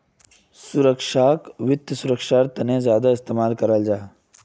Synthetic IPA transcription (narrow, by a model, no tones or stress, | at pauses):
sʊɾəkʃaːkʋɪt̪ːəsʊɾəkʃaːɾt̪ənẽzjaːd̪aɪst̪eːmaːlkɐɾəld͡ʒaːe